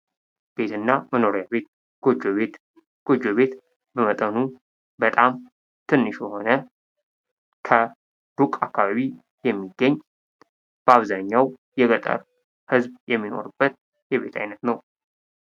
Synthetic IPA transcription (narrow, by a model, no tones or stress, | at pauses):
b̥e̞t̪ʰɨnːaməno̞ɾijaβet̪ | ɡod͡ʒoβe | ɡ̥od͡ʒoβe̞t̪ | bəmət̪ʼənu | bət̪ʼam | t̪ʰɨnːɨʃjɛho̞nə | kʰə | d̪ukʼakːaβaβi | jɛmːiɡːəɲː | b̥əaβzaɲːaw | jɛɡət̪ʼə̰ɾ | hɨzbjɛmːino̞̰ɾɨbːət̪ | jɛβe̞t̪ʰa̰jnət̪nəw